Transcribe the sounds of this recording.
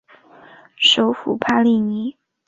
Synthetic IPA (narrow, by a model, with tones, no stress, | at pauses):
ʂo˧˥ʊfu˨˩pʰa˥li˥˩ni˧˥˦